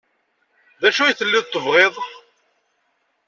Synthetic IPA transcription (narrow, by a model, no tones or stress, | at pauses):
ðæʃujθəlːɪðˤt̪ˤːəvʁeðˤ